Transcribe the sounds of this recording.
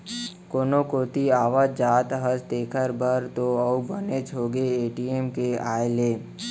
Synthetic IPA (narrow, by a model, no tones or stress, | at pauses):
koːnokoːt̪iaːʋaːd͡ʒaːt̪ɦəsd̪eːkʰəɾbəɾt̪oəubənet͡ʃʰoːɡeeːʈiemkeaːjeleː